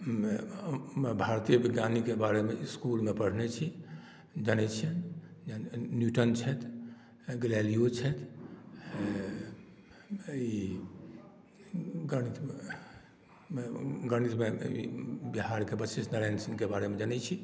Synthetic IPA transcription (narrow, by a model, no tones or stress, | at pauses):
me | bʱaɾt̪ijəbiɡjanikebaɾemeskulmepəɽ̤net͡ʃʰi | d͡ʒənɛt͡ʃʰiən | njuʈənt͡ʃʰɛt̪ | ɡlɛlijot͡ʃʰɛt̪ʰ | i | ɡəɾnit̪me | ɡəñit̪meḭbiɦaɾkebəsisnəɾansinkebaɾemed͡ʒənɛt͡ʃʰi